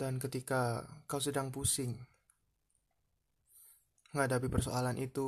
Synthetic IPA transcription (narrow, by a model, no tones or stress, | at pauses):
dankət̪ikakaosədaŋpusɪŋ | məŋɦadapipərso̰alanʔit̪u